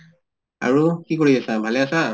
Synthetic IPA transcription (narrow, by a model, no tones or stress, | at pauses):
a̰ɹukikɔɹiasabʱalɛasa